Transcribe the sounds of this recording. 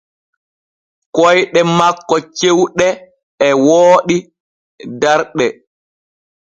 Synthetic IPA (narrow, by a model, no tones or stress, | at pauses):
kɔjɗɛmakːɔt͡ʃewɗɛː | woːɗi | daɾɗɛ